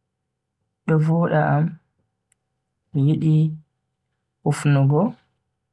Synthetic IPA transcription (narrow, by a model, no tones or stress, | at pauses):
ɗɔvɔːɗaʔam | jiɗi | ʔufnuɡɔ